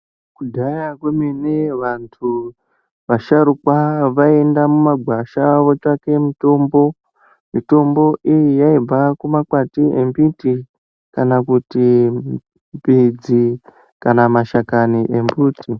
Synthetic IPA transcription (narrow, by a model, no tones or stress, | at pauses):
kudʱajakwemeneʋantʰu | ʋaʃaɾukwaʋae̞ndamumaɡʱwaʃaʋo̞t͡ʃake̞mito̞ːmbo̞ | mito̞mbo̞ʔijijaib͡vakumakwatiembiti | kanakuti | mbid͡zi | kanamaʃakaniʔembuːti